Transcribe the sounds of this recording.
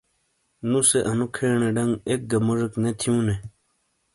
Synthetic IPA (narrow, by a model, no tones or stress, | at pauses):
nuseʔɐnukʰeːɳeɖɐŋɡek̚ɡɐmoʐeknet̪ʰiũne